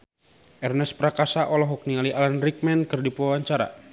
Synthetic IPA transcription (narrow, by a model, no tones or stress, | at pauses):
ʔɛrnɛspɾakasaʔɔlɔɦɔk̚nialiʔalanrik̚mɛnkərdipuwawaɲt͡ʃaɾa̰